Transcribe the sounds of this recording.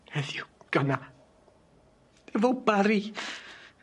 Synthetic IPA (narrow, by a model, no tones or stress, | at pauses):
hɛðjuɡ̥əna | d̥evolˠbaɾi